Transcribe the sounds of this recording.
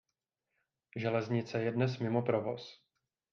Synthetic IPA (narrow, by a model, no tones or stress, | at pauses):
ʒɛlɛzɲɪt͡sɛjɛdnɛsmɪmopɾovo̞̰s